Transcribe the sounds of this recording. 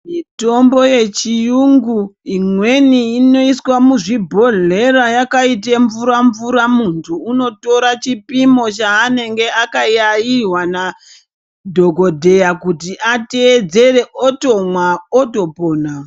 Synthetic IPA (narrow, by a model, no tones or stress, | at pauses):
mito̞mbo̞je̞t͡ʃijuŋɡuimwe̞niːno̞iswamuʐibʱo̞ɮe̞ɾajakait̬eɱvuɾaɱvuɾamuntʰuːno̞to̞ɾat͡ʃipimo̞t͡ʃaːne̞ŋɡe̞akajajiɦwana | dʱo̞ɡo̞dʱe̞jakutiʔate̞ːd͡ze̞re̞ʔoto̞mwaoto̞poːna